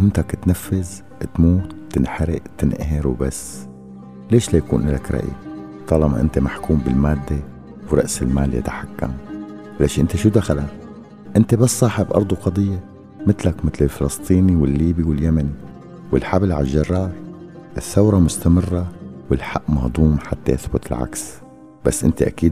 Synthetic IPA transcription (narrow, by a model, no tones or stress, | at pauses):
hɪnt̪akt̪nafːɪz | t̪muːt̪ːɪnħaɾɪʔt̪ɪnʔaɦɪɾwbasː | leːʃlajakṵːnʔɪlakɾˤɑ̰ʔḭ | t̪ˤɑːlɑma̰ʔɪ̰nt̪emaħkuːmbɪlmaːd̪ːe | wɾˤɑ̰ʔsɪlmaːlja̰t̪ḁħakːa̰m | leːʃʔɪnt̪eʃuːd̪axala | ʔɪnt̪ebasːˤɑːħɪbʔɑ̰ɾˤd̪ˤuqɑd̪ˤɨjːa | mɪt̪lakmɪt̪lɪlfɪlɑst̪ˤiːniwɪlːiːbiwɪljamani | wɪlħablʕaʒːɑrˤːɑːɾˤʔɪθːawɾˤɑmʊst̪amɪrːawɪlħaʔːmɑhd̪ˤuːmħat̪ːa̰jaθbʊt̪ɪlʕa̰ks | b̥asːʔɪ̰nt̪eʔa̰kiːd̪